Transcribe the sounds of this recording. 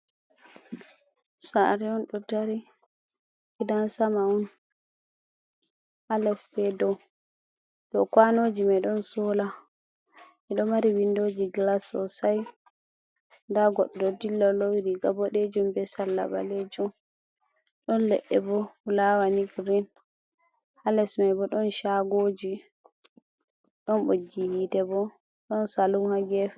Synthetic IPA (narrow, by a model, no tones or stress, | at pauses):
sa̰ɾiɔnɗɔdaɾi | kidansamaun | alɛsbɛdɔw | ɗɔkwanod͡ʒimɛɗɔnsɔla | ɛɗɔmaɾiwindod͡ʒiɡlasɔ̰saj | ndaɡɔɗdɔdilːɔlɔwiɾiɡabɔɗed͡ʒumbɛsalːa̰ba̰led͡ʒum | ɗɔnlɛ̰ɗːɛbɔulawaniɡɾin | halɛsmajbɔɗɔnʃaɡoːd͡ʒi | ɗɔnɓoɡːihidɛbɔ | ɗɔnsaluhaɡɛf